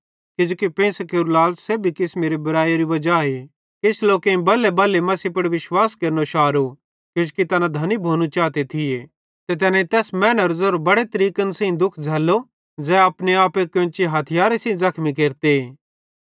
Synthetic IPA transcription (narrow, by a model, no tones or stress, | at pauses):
kɪd͡ʒoːkipẽːsɐkeɾulaːlsseːbʱikɪsmeɾebɐɾaːjaɾiʋɐd͡ʒaːe | kɪsloːkẽĩbɐlebɐlːemɐsipɐɽʋɪʃwaːskeːɾnoʃaːɾu | kod͡ʒokit̪ɐnad̪ʱɐnibʱoːnut͡ʃaːt̪et̪ʰɪe | t̪et̪̬ɛːnẽĩt̪ɛːsmɛːnəɾzoːɾbɐɽet̪ɐɾiːkənsẽĩd̪ʊkʰd͡zʱɛːlːo | d͡zɛːɐpneaːpekõːt͡ʃiɦɐt̪ʰɪjaːɾesẽĩzɐkʰmik̬eːɾt̪e